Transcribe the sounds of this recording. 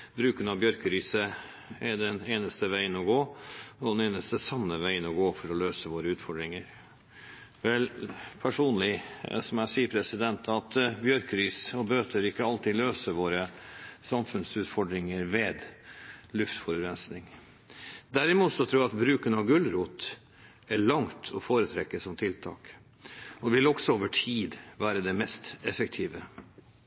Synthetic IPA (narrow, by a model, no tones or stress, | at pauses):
bɾʉːkənɑʋbjœɾkəɾiːsə | ɛd̪ɛneːnəst̪əʋæɪənɔɡoːɔd̪ɛneːnəst̪əsɑmːəʋæɪənɔɡoːfɔɾɔløːsəʋoːɾəʉːt̪fɔɖɾɪŋəɾ | ʋɛlpʰæʂuːnlɪsɔmæsiːəpʰɾɛsɪd̪ɛnt̪ʰɑt̪bjœɾkəɾiːsɔbøːt̪ʰəɾɪkːəɑlt̪ɪløːsəʋoːɾəsɑmfʉnsʉːt̪fɔɖɾɪŋəɾʋeːd̪ | lʉft̪fɔɾʉɾɛnsnɪŋ | d̪æɾɪmuːt̪sɔt̪ʰɾuːjɑɑt̪bɾʉːkənɑʋɡʉlɾuːt̪ | æɭɑŋt̪ʰɔfoːɾət̪ʰɾɛkːəsɔmt̪ʰɪlt̪ʰɑ̰ːk | ɔʋɪlɔksɔoːʋəʈʰiːd̪ʋæːɾəd̪ɛmɛst̪ɛfək̚t̪ʰiːʋə